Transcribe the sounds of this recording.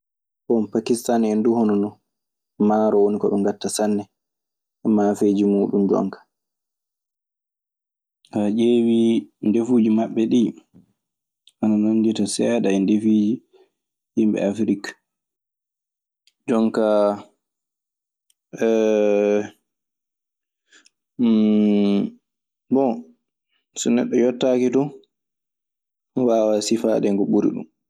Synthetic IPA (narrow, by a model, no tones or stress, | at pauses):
kɔnpakistanɛnduhɔnɔnɔ | maːɾɔwonikɔɓɔŋɡatːasanːɛ | ʔɛmaːfeːd͡ʒimuːɗund͡ʒɔ̰ŋkḁ | had͡ʒeːwindefud͡ʒimaɓːɛɗi | ʔananoɲditasɛːɗaɛndefiːd͡ʒi | himbɛ̰afɾikḁ | d͡ʒɔŋka | bɔ | sɔnɛɗːɔjɔtːaːkitɔ | waːwasifaɗɛŋɡɔɓuɾḭɗṵm